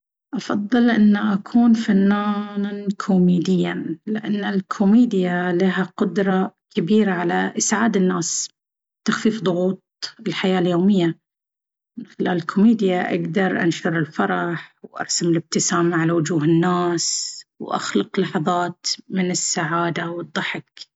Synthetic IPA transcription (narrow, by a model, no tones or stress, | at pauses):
ʔɑfɑðˤːɨlʔɪnːaʔakʰuːnfanːaːnankʰʊmiːd̪ɪjːanlɪʔanːalkʰʊmiːd̪ɪjalaɦaqʊd̪ɾˤɑkabiːɾaʕalaʔɪsʕaːd̪ɪnːaːs | t̪axfiːfd̪ˤʊɣuːt̪̚ˤɪlħajaːljoːmɪjːa | mɪnxɪla̰ːlɪlkʰʊmiːd̪ɪjaʔa̰ɡd̪ɑɾˤʔa̰nʃʊɾˤɪlfɑɾˤɑħwʔɑ̰ɾˤsamɪlɪb̚t̪ɪsaːmaʕalawʊd͡ʒuːɦɪnːaːswʔa̰xlɑqlɑħɑðˤɑːt̪mɪnɪsːaʕaːd̪awɨd̪ˤːɑħɪk